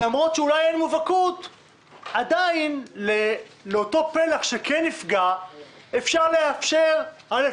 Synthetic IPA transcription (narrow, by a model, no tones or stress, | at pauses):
lamʁo̞tʃeulajenmuvakut | adainleleo̞to̞pelaχʃekʰenːifɡa | efʃaʁle̞afʃeʁale